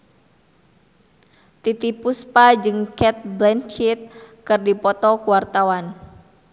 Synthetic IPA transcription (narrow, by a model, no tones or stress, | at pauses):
t̪it̪ipuspad͡ʒɨŋkɛt̪̚blɛnt͡ʃit̪̚kɨrdipɔt̪ɔkuwart̪awan